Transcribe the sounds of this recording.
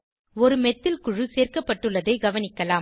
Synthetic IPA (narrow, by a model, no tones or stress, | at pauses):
ɔɾɯmɛt̪ːɪlkʊɻɯseːrkɐpːɐʈːɯɭːɐðɐɪɡɐʋɐnɪkːɐlaː